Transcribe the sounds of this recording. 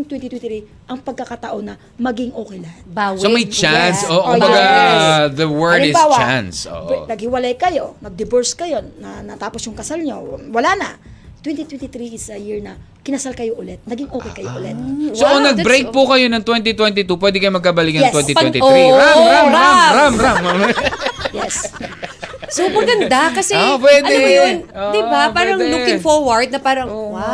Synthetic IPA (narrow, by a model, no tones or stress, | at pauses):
ŋt̪wɛnt̪ɪt̪wɛnɾi | ʔɐŋpɐɡ̚kɐkɐt̪ɐʔo̞nːɐ | mɐɡɪŋʔoːkɛjlɐbawsomɐjt͡ʃanssoʔʊbɐɡaðɐwɛɹdɪawanso̰ʔnɐɡ̚hɪwɐlajkɐjo̞nɐɡ̚d̪ɪbɛɹskɐjo̞nːɐnɐt̪aːposjʊŋkɐsalɲowɐlanɐt̪wɛnt̪it̪wɛnt̪ɪt̪ɾiɪsɐjɪɹnɐkɪnɐsalkɐjoʔʊlɛt̪̚nɐɡɪŋʔoːkɛjkɐjo̰ʔʊlɛ̰t̪̚soʔonɐɡ̚bɾejkpʊkɐjo̞nɐŋt̪wɛnt̪ɪt̪wɛnt̪ɪt̪upwɛd̪ɛkɐjomɐɡ̚kabɐlɪk̚nɐɛwɛnt̪itwɛt̪ɪoiɾamɾmɾamɾamɾam | jɛs | somɐɡɐnd̪akɐsɛpwɛd̪ɛjnd̪ɪbapaːɾɐŋlukɪŋfoɹwɐɹd̪̚nɐpaːɾɐŋ